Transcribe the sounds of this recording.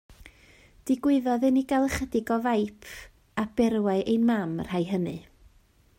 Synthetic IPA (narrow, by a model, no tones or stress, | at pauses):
d̥ɪɡwɪðɔðɨniɡalˠχədɪɡɔvajpʰ | ab̥ɛrwaɨʔejmamr̥ajɦənɨ